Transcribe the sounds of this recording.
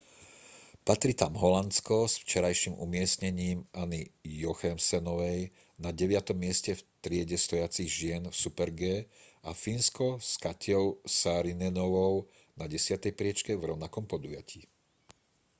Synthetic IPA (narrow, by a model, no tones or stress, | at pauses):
pat̪ɾit̪amɦɔlanskɔsft͡ʃɛɾajʃimṵmɪɛsɲɛɲiːmʔanijɔxɛmsɛnɔʋɛj | naɟɛʋɪat̪ɔmːɪɛscɛft̪ɾɪɛɟɛst̪ɔjat͡siɣʒɪɛnfsupɛɾɡɛːafinskɔskacɔʊsaɾinɛnɔʋɔʊ | naɟɛsɪat̪ɛjpɾɪɛt͡ʃkɛvɾɔʊnakɔmpɔd̪ujaciː